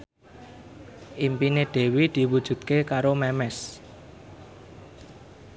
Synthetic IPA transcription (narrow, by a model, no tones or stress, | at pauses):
ʔimpineɖ̥e̤wid̪̥i̤wud̥ʒ̥ṳt̪̚kekaɾomɛmɛs